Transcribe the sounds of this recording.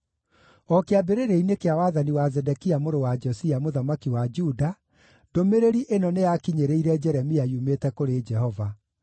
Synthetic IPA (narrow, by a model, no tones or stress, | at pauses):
ɔkeabeɾeɾeinekeawaðaniwazɛdɛkiamoɾowad͡ʒɔsiamoðamakiwad͡ʒuda | domeɾeɾiʔenɔnejakiɲeɾeiɾɛd͡ʒɛɾɛmiajumetɛkoɾed͡ʒɛhɔva